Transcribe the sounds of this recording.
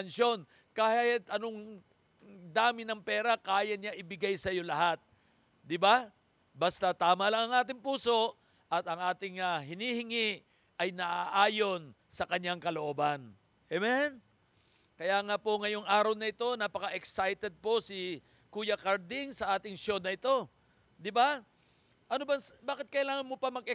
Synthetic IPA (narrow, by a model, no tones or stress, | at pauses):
ɐnʃo̞n | kaːhhɪt̪ɐnoŋ | d̪aːmɪnɐŋpɛːɾɐakaːjɐɲaʔɪbɪɡajsɐjo̞lɐɦat̪̚ | d̪ɪba | bɐst̪at̪aːmɐlɐŋɐŋʔaːt̪ɪŋpuːso̞ʔ | ʔɐt̪ɐŋʔaːt̪ɪŋɐɦɪnihɪŋɪʔ | ʔɐjnɐʔaʔaːjo̞n | sɐkɐɲːaŋkɐloʔo̞ːbɐn | ʔɛmɛn | kɐjaːŋapoŋɐjo̞ŋaːɾɐwnɐɪt̪o̞napɐkɐʔɛksajt̪ɛd̪̚po̞sɪ | kuːjɐkɐɾd̪ɪŋsɐʔaːt̪ɪŋʃjo̞nːɐʔɪt̪o̞ | d̪ɪba | ʔɐnobɐŋbaːkɪt̪̚kɐɪlaːŋɐnmopɐmɐɡ̚ʔɛ